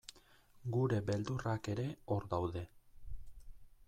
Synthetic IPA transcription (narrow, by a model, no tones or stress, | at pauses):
ɡuɾe̞be̞ld̪urake̞ɾe̞o̞ɾd̪awðe̞